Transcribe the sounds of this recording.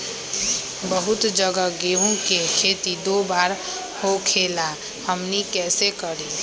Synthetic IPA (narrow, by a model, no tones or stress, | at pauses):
bəɦʊt̪d͡ʒəɡəɡeɦũkekʰeːt̪id̪obaːɾ | hokʰela | həmnikɛːsekəɾi